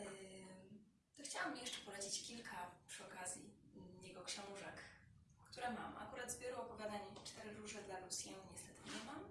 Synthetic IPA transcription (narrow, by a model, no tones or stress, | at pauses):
t̪ɔxt͡ɕawamjɛʂt͡ʂɛpɔlat͡ɕet͡ɕkʲilkʰapʂɨɔkazʲjijɛɡɔkɕɛ̃w̃ʐak | kt̪uɾɛmama̰kuɾad̪zbʲjɛɾɔɔpɔvʲjad̪aɲɛt͡ʂt̪ɛɾɘɾuʐɛd̪laɾusʲjɛmɲɛst̪ɛt̪ʰɘɲɛmam